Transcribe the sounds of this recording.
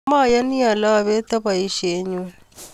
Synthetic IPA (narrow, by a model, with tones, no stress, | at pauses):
ma˦˨ja˦ni˦a˨la˦˨βe˦t̪a˦βa˨i˦ʃe˨˦ɲu˦n